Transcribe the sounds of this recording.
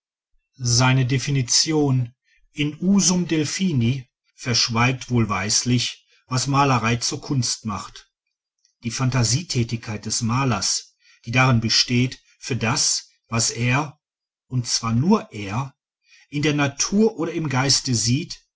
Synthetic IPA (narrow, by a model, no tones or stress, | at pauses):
zaɪnədefinit͡sjoːn | ʔɪnuːzʊmdɛlfiːni | fɛɐʃv̥aɪk̚tv̥oːlvaɪslɪç | vasmaːləʁaɪt͡suːɐkʰʊnstmaχt | d̥iːfantaziːtʰɛːtɪçkʰaɪt̚d̥ɛsmaːlɐs | d̥iːdaʁɪnbəʃteːt | fyːɐdas | vaseːɐ | ʔʊntt͡sv̥aːɐnuːɐʔeːɐ | ʔɪndeːɐnatʰuːɐʔoːɾɐɪmɡaɪstəziːt